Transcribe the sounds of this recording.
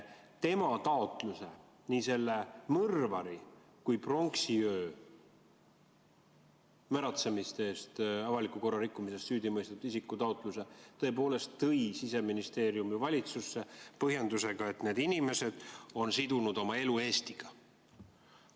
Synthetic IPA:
t̪e̞mɑt̪ɑot̪ˑluse̞ | niːse̞lːe̞mɤrvɑɾi | kujpro̞ŋksiø̞ː | mæɾɑt̪se̞mist̪eːst̪ɑvɑlikuko̞rːɑɾikˑːumise̞st̪syːd̪imɤjst̪et̪isikːˑut̪ɑot̪ˑluse̞t̪ɤ̞e̞p̬o̞ːle̞st̪ːɤjsise̞minist̪e̞ːɾiumivɑlʲit̪susːe̞pɤɦjend̪use̞ɡ̥ɑe̞t̪ne̞ːd̪inime̞se̞d̪̥o̞nsid̪̥unud̪̥o̞mɑe̞lue̞ːst̪iɡ̥ɑ

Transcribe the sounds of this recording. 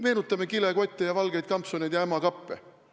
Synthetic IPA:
meːnut̪ːˑɑmekileko̞t̪ʲˑːejɑvɑlɡ̥ejd̪̚kɑmpsoned̪̥jɑæmɑkɑpːe

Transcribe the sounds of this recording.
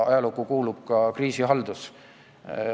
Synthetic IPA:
ɑ̰jɑlukːˑukuːlub̥kɑkriːsiɦɑld̪us

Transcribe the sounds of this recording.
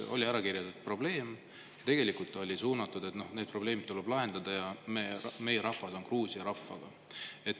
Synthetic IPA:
o̞̰lʲiæɾɑkirjɑt̪ud̪̥̚pro̞ble̞ːm | t̪e̞ɡ̥e̞likult̪ːˑɑolʲisuːnɑt̪ːˑud̪e̞t̪no̞hned̪̚pro̞ble̞ːmid̪̚t̪ːuleb̥lɑɦe̞nd̪ɑd̪̥ɑjɑmeme̞jeɾɑhfɑso̞nkruːsiɑɾɑfːɑ̰ɡ̥ɑ | e̞t̪ː

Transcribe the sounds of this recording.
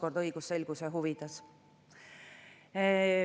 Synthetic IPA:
ko̞rd̪ɤjɡ̥usːe̞lɡ̥useɦuvit̪ːˑɑs

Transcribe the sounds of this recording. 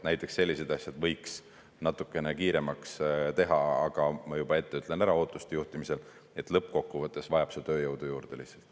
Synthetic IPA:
næjt̪ːˑeksːe̞lːise̞d̪ɑsʲjɑd̪̥vɤjks | nɑt̪ːˑukːˑe̞nekiːɾe̞mɑkst̪e̞ɦɑɑɡ̥ɑmɑjub̥ɑe̞t̪ːe̞yt̪ˑle̞næɾɑo̞ːt̪ːˑust̪e̞juht̪imise̞l | e̞t̪ˑlɤp̚ːko̞kːuvɤt̪ːˑe̞svɑjɑb̥set̪ø̞ːjɤwd̪̥ujuːɾd̪elihselt̪ːˑ

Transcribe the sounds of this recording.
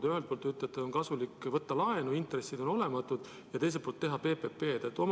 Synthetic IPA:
d̪yɦelt̪̚polt̪ːyt̪ːˑet̪ːˑeonkɑsulikːˑvɤt̪ːɑlɑe̞nuint̪re̞sːid̪o̞no̞le̞mɑt̪ːˑud̪̥ | jɑt̪e̞js̬et̪polt̪ːe̞ɦɑpe̞ːpe̞pe̞ːt̪et̪ːˑo̞m

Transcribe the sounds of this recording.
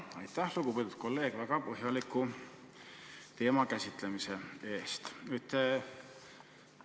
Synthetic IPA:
ɑ̰jt̪ːˑæhluɡ̥upid̪ud̪̥̚ko̞lːe̞ːɡ̥væɡ̥ɑpɤɦjɑliku | t̪e̞ːmɑkæsʲit̪lemise̞e̞ːst̪yt̪ːe

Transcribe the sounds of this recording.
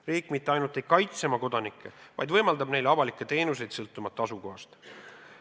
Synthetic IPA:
riːkːˑmit̪ːˑe̞ɑjnult̪ːˑejkɑjt̪se̞mɑko̞d̪̥ɑnikʰːˑe̞vɑ̰jd̪vɤjmɑld̪ɑbne̞jlɑvɑlikːˑe̞t̪e̞ːnus̬e̞jd̪̥sɤlt̪ːˑumɑt̪ˑːɑsuko̞ɦɑst̪

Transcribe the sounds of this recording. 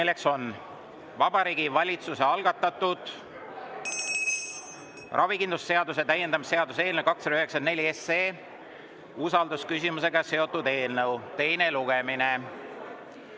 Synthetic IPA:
ilːe̞kso̞n | vɑb̥ɑɾiːɡ̥ivɑlʲit̪suse̞ɑlɡ̥ɑt̪ːˑɑt̪ːˑud̪̥ | rʔɑvikind̪lusːe̞ɑd̪us̬e̞t̪æje̞nd̪ɑmisse̞ɑd̪use̞ːlnəkɑkːsked̪ɑyɦeksɑne̞lʲieseː | usɑld̪uskysimus̬e̞ɡɑse̞o̞t̪ːˑud̪e̞ːlnɤwt̪e̞jne̞luɡ̥e̞mine̞

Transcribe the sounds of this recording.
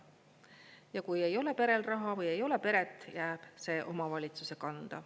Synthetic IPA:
jɑkuje̞jo̞le̞pe̞ɾe̞lrɑɦɑvɤje̞jo̞le̞pe̞ɾe̞t̪ːˑjæːb̥se̞ːʔo̞mɑvɑlʲit̪suse̞kɑnd̪̥ɑ̰

